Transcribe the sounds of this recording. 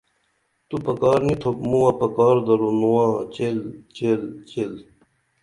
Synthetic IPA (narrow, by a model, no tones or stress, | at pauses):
t̪upɐkɑːɾnit̪ʰopmũwãːpɐkaːɾd̪ɐɾonuãːt͡ɕelt͡ɕelt͡ɕel